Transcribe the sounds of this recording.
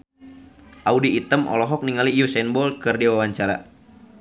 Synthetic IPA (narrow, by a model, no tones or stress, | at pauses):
ʔaudiːt̪əmʔɔ̰lɔɦɔk̚niŋalijusɛnbɔlkɨrdiwawaɲt͡ʃaɾa̰